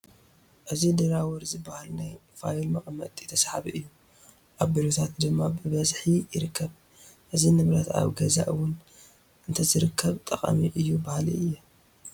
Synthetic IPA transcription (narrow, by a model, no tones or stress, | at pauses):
ʔɨzid̪ɨɾawɔɾzɨbahalnajfajlmaʔʼmɐt̪ʼit̪ʰɐsħaβiʔɨjːu | ʔaβbiɾot̪ʰat̪d̪ɨmːabɨβɐzħijɪɾɨkʰːɐβ | ʔɨzinɨβɾɐt̪a̰βɡɐza̰ʔɨwʊn | ʔɨnt̪ʰɐzɨɾɨkʰːɐβt̪ʼɐχʼɐ̰miʔɨjːubahliɨjːɛ